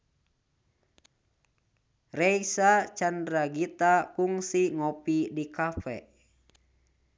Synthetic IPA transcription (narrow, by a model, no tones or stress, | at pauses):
rɛisat͡ʃandɾaɡit̪akuŋsiŋɔpidikafɛ̰